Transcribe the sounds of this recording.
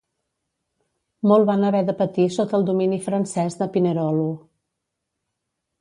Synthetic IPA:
mɔlˠβanəβɛðəpət̪isot̪əːlˠd̪uminifɾənsɛzðəpinəɾɔlu

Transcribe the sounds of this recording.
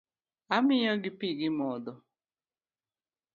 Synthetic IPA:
amɪjɔɡɪpiɡɪmɔd̪ɔ

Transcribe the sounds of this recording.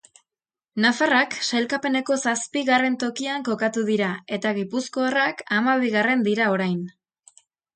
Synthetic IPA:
nafaraksajlkape̞ne̞ko̞saspiɣare̞nt̪o̞kiaŋko̞kat̪uðiɾae̞t̪aɣipusko̞arakamaβ̞iɣare̞nd̪iɾao̞ɾajn

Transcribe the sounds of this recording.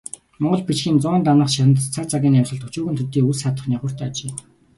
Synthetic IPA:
mɔɴɢɞ̆ɮpit͡ɕxiːnt͡sʊnt̪̬anə̆χʃat̪ə̆nt̪t͡sʰat͡sʰaɣʲiːnamsə̆ɮt̪ʰɵt͡ɕuːɣɘnt̪ʰɵt̪ːiːusat̪ə̆χniːχʊr̥t̪at͡ɕeː

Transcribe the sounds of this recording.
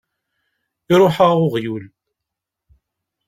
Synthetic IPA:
ɪɾˤoħəʁʊʁjul

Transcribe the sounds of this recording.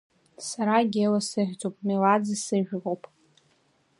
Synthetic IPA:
saɾaɡʲelasɨħʲʷt͡sʼowpʼmilad͡zisɨʒᶣrowpʼ

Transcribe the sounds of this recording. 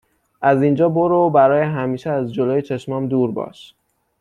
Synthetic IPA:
ʔæzind͡ʒɒːboɾobæɾɒːjeɦæmiːʃeæzd͡ʒoloːjet͡ʃʰe̞ʃmɒːmd̪uːɾbɒ̰ːʃ

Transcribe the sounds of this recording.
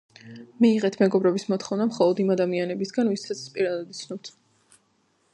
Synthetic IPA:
miːʁɛt̪ʰmɛɡɔbɾɛbismɔt̪ʰχɔvnamχɔlˠɔd̪imad̪amianɛbisɡanvisat̪sʰpʼiɾad̪ad̪it̪sʰnɔpt̪ʰ

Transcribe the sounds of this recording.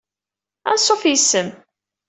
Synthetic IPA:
æ̰nsˤːofjəsːəm

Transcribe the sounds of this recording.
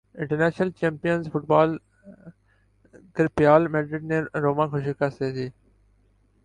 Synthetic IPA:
ɪ̃ɳʈəɾnɛːʃnəlt͡ʃẽːmpijənzfʊʈ̚baːl | kɪɾpɪjaːlmɛːɖɾɪɖ̚nẽːɾoːmãːkʰʊʃikaseːd̪iː

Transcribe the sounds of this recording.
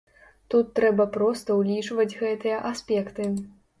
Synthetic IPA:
t̪ut̪ːɾɛbɐpɾɔst̪ɐwlʲit͡ʂvɐd͡zʲɣɛt̪ɨjɐʔasʲpʲɛkt̪ɨ

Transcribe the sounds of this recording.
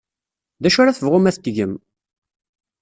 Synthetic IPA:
ðæʃʊɾaθəvʁʊmæθt̪ʝəm

